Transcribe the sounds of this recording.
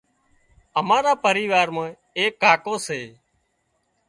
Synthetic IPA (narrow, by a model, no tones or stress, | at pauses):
əmaːɾaːpəɾiːʋaːɾmãː | eːkːaːkoːseː